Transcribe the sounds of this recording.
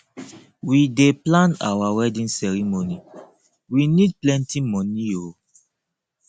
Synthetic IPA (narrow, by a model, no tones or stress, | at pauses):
wideplãna̰wawɛdĩnsɛɹimoni | winid̚plɛ̃ntimɔ̃nijo